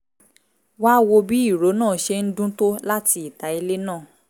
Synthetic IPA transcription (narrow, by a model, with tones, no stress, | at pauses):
wa˦wo˧bi˦i˦˨ɾo˨˦nãː˦˨ʃe˧n̩˦dũ˦to˦la˦ti˧i˦˨ta˨˦i˧le˦nãː˦˨